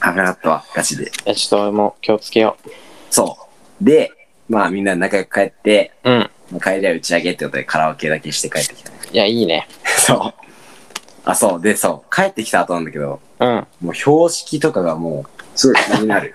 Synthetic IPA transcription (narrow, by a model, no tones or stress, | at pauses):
anaat̪ːaβa̰ɡ̥at͡ɕid̪ḛat͡ɕi̥t̪oemokʲo̞ːt͡sɨ̥ke̞jo̰so̞ː | d̪e̞ | maːmʲĩnːad̪enakajokɯ̟̥kae̞t̪ːe̞ɯ̟̃ɴ | maːkaeɾiaɯ̟t͡ɕiaɡe̞t̪ːekot̪od̪e̞kʰaɾaake̞d̪ake̞ɕi̥t̪e̞kae̞t̪ːe̞kʲi̥t̪anejaiːnḛsoː | a̰so̞ːd̪eso̞ːkʰaet̪ːe̞kʲi̥t̪aːt̪onand̪aked̪o̞ | ɯ̟̃ɴmo̞ːço̞ːɕi̥kʲit̪o̞kaɡamo̞ːsɨɡo̞kʲiɲʲinaɾɯ̟